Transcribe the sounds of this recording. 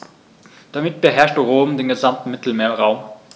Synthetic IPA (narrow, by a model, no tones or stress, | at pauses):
d̥amɪt̚b̥əɦɛɐʃtəʁoːmdeːnɡəzamtn̩mɪtl̩meːɐʁaʊm